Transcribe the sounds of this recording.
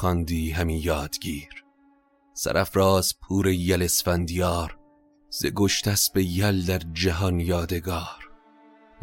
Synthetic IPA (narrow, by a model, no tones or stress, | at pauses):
xɒnd̪iːɦæmiːjɒːd̪ɡiːɾ | sæ̰ɾæfɾɒːzpʰuːɾejælesfænd̪ijɒːɾ | z̥ḛɡoʃt̪ʰæsbejæld̪æɾd͡ʒæɦɒnjɒːd̪e̞ɡɒːɾ